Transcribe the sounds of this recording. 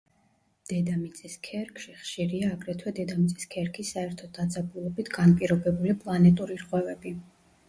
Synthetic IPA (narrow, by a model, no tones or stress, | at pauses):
d̪̥ɛd̪amit̪sʼɛskʰɛɾkʰʃiχʃiɾiaːɡɾɛt̪ʰwɛd̪ɛd̪amit̪sʼi̥skʰɛɾkʰisːaɛɾt̪ʰɔd̪̚ːad̪zabulˠɔbit̪ʰɡanpʼiɾɔbɛbulipʼlˠanɛt̪ʼuɾiɾqʼwɛvɛbi